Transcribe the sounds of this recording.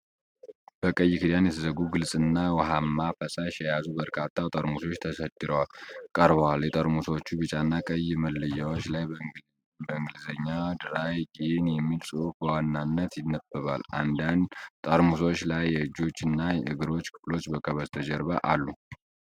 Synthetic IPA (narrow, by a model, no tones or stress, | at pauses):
b̥əkʼəjːɪkʰɨd̪anjɛt̪ʰəzəɡuɡɨlsʼɨnːawəɦamːafəsaʃjɛjazubəɾkʰat̪ʰːat̪ʼəɾmuso̞t͡ʃːt̪ʰəsət̪ʼːɨɾəwalkʼəɾβəwaljɛt̪ʼəɾmusot͡ʃːubɨt͡ʃʼanːakʼəjːɨməlːɨjawot͡ʃːlaj | bəɨŋɡɨlzəɲːad̪ɨɾajɡienjɛmːilsʼuufbəwanːanːət̪jɪnːəb̥əβala̰nd̪ant̪ʼəɾmuso̞t͡ʃːlajːɛɨd͡ʒo̞t͡ʃːɨnːajɛʔɨɡɨɾo̞t͡ʃːkʰɨ̥flo̞t͡ʃːbəkʼəβəzt̪ʰəd͡ʒəɾβa̰ʔalːu